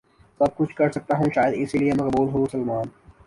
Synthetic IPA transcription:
sɐb̚kʊt͡ʃʰkɐɾsɐk̚t̪aɦũʃaːjəd̪ɪsiliemɐkbuːlɦomʊsɐlmaːn

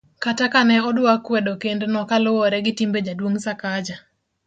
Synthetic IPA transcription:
katakanɛɔdʊakwedokendnɔkalʊwɔɾɛɡɪtimbed͡ʒadwoŋsakad͡ʒa

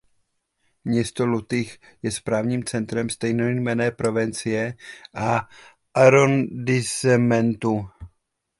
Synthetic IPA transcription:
mɲɛst̪olut̪ɪxjɛspɾaːvɲiːmt͡sɛnt̪ɾɛmst̪ɛjnomɛnɛːpɾo̞vɛnt͡sɪjɛʔa | ʔaɾondɪsɛmɛnt̪u

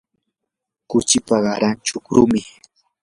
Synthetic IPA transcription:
kʊt͡ʃɪpaɢɑɾant͡ʃʊkɾʊmɪ

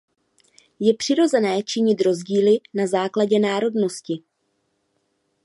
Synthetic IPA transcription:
jɛpr̝̥ɪɾo̞zɛnɛːt͡ʃɪɲɪt̪ɾo̞zɟiːlɪnazaːklaɟɛnaːɾo̞dno̞scɪ

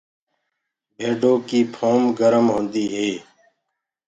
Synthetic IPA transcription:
bʱeːɖoːkiːpʰoːmɡəɾəmɦõːnd̪iːɦeː

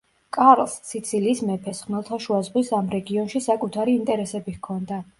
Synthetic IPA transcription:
kʼaɾlˠsːit̪sʰiliːsmɛpʰɛsχmɛlˠt̪ʰaʃuazʁwisamɾɛɡiɔnʃisakʼut̪ʰaɾiːnt̪ʼɛɾɛsɛbihkʰɔnd̪a

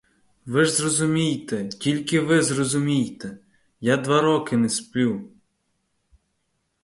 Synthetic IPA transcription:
ʋɪʒzrɔzʊmʲijt̪ɛtʲilʲkɪʋɪzrɔzʊmʲijt̪ɛ | jad̪ʋɑɾɔkɪnɛspʲlʲuw

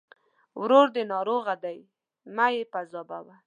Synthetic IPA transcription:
wɾoɾd̪ənɑɾoɣad̪aj | majepazɑba̰wa

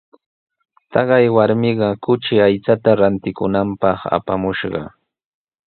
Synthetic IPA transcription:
t̪ɑɢɑjwaɾmɪɢɑkʊt͡ʃɪajt͡sat̪aɾant̪ɪkʊnampɑχa̰pamʊʃɢɑ̰

